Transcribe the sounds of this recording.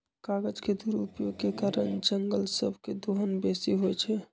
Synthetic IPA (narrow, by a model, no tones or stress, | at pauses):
kaɡəd͡ʒked̪uɾṵpjoɡ̚kekaɾənd͡ʒəŋɡəlsə̰bʱked̪oɦənbesiɦojt͡ʃʰɛ